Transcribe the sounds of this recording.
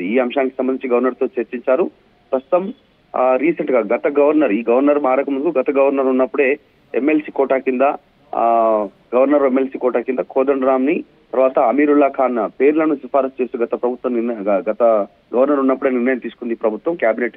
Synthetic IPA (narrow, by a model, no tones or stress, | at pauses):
iiːɐmʃaːniki̥sɐmbɐnĩɲt͡ʃiɡɐʋɐɾnɐɾt̪o̞ːt͡ʃɐɾt͡ʃiɲt͡ʃaːɾu | pɾɐst̪u̥t̪ɐm | ɾiːsɐɳʈɡaːɡɐt̪ɐɡɐʋɐɾnɐɾiːɡɐʋɐɾnɐɾmaːɾɐkɐmund̪ukuɡɐt̪ɐɡɐʋɐɾnɐɾunːɐpːuɽe̞ː | ḛmːe̞lsiːkɔːʈaːkind̪ɐ | ɡɐʋɐɾnɐɾemːelsiːkɔːʈaːkind̪ɐkʰoːd̪ɐɳɾaːmni | t̪ɐɾʋaːt̪ɐːmiːɾuɭːaːkʰaːnːɐpe̞ːɾlɐnusipʰaːɾɐst͡ʃest̪uːɡɐt̪ɐpɾɐbʱut̪ʋɐmniɾnɐɡɐt̪ɐ | ɡɐʋɐɾnɐɾunːɐpːuɽeːniɾnɐjɐmt̪iːsu̥kund̪ipɾɐbʱut̪ʋɐmkjaːbine̞ʈ